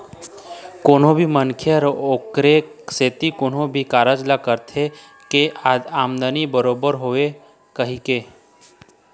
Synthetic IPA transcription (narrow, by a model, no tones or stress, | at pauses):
koːnõbʱimənkʰjəɾoːkɾeset̪ikoːnɦõbʱikaːɾad͡ʒlakəɾt̪ʰe | kead̪aːmd̪ənibəɾoːbəɾɦoːe | kəɦike